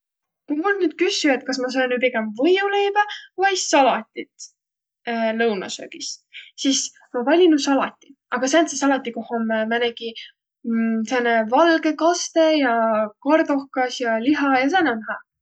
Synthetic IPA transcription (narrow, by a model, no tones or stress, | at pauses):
kumulnyːd̪̥̚kysːye̞t̪̚kɑsmɑs̬ɑjnːypiɡemvɤjule̞jbævɑjsɑlɑt̪ʲːit̪ː | lɤwnɑ̰sø̰ːɡ̥issis | mɑvɑlʲinusɑlɑ̰t̪ʲːˑiʔɑɡ̥ɑsænsesɑlɑt̪ːˑikohomːemæneɡ̥i | sɑnevɑlɡe̞kɑst̪e̞jɑkɑrd̪o̞hkɑsjɑliɦɑjɑsænæmæɦæ